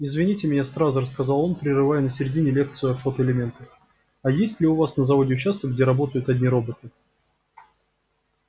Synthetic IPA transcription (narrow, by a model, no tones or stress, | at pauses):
ɪzvʲɪnʲitʲɪmʲɪnʲast̪ɾazəɾəskɐzalˠo̞npɾʲɪrɨvajʊnəsʲɪɾʲɪdʲinʲɪlʲe̞kt̪sɨʊɐfot̪əɪlʲɪmʲe̞nt̪ə | ɐjesʲtʲlʲɪʊvasnəzɐvo̞dʲɪʊt͡ɕast̪əɡ̚dʲeɾɐbo̞t̪əjʊt̪ɐdʲnʲiɾo̞bət̪ɨ